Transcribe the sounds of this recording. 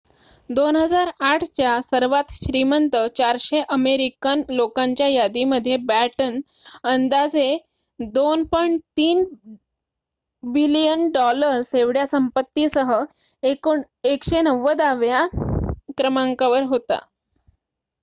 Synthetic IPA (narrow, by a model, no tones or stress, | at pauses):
d̪onɦəd͡zaɾaʈʰt͡ɕjasəɾʋat̪ɕɾimənt̪ət͡ɕaɾɕeʔəmeɾikanlokaɲt͡ɕjajad̪iməd̪ʱːjebæʈən | ənd̪ad͡ze | d̪onpɔjɳʈt̪iːn | bilijənɖɔləɾseʋɽjasəmpət̪ːisəɦə | e | ekɕenəʋːəd̪aʋja | kɾəmaŋkaʋəɾɦot̪a̰